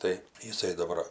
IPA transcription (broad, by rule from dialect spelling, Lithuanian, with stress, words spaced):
tɐɪ jɪˈsɐɪ dɐˈbɐr